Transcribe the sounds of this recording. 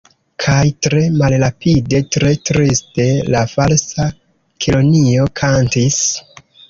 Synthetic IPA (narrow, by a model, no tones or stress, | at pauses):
kʰajtɾe̞malɾapide̞tɾe̞tɾiste̞lafalsa | kʰilo̞nio̞kʰantis